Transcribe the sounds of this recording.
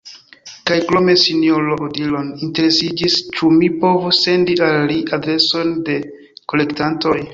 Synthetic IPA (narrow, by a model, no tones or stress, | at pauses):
kajkɾome̞sinjoloodilo̞ninte̞ɾe̞sid͡ʒist͡ʃumipo̞vuse̞ndialːiʔadɾe̞so̞nde̞ | ko̞le̞ktanto̞j